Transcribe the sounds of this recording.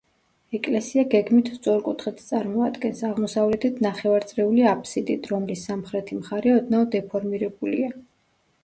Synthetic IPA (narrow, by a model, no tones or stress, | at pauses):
ɛkʼlɛsiaɡɛɡmit̪ʰst̪sʼɔɾkʼut̪ʰχɛt̪ʰt̪sʼaɾmɔad̪ɡɛnsaʁmɔsavlɛt̪ʰit̪ʰnaχɛvaɾt̪sʼɾɛuliapʰʼsid̪it̪ʰɾɔmlisːamχɾɛt̪ʰimχaɾɛɔd̪naɔd̪ɛpʰɔɾmiɾɛbulḭa